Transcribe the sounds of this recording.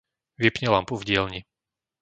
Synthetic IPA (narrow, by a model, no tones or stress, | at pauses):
ʋɛpɲɛlampuvɟɪɛlɲi